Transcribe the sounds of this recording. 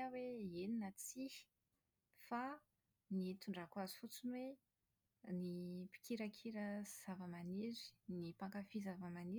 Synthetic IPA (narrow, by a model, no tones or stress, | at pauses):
aweeninət͡si̥ | fa | nit̪uɳɖ͡ʐakwazi̥fut͡sinwe | nipi̥kiɾəkʰiɾəz̥avəmaniɾi̥nipaŋkafizavəmani